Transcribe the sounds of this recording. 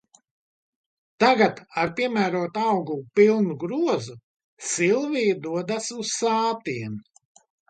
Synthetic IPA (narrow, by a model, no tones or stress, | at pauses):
t̪aɡat̪aɾpiɛmæːɾuɔt̪awɡupilˠnuɡɾuɔzu | silˠvijd̪uɔd̪asussaːt̪iɛn